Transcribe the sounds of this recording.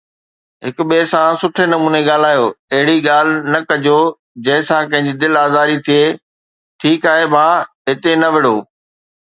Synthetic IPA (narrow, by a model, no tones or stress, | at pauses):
ɦɪkʊɓesãsʊʈʰenɐmuːneɠaːl̤aːjoːɐɦɪɽiɠaːl̤ɪnɐkɐd͡ʑo | d͡ʑɐ̃ɦɪ̃sãkɐ̃ɦɪ̃ɲ̆d͡ʑid̪ɪlaːzaːɾit̪ʰieː | ʈʰiːkaːɦebãːɦɪt̪enɐʋɪɽoː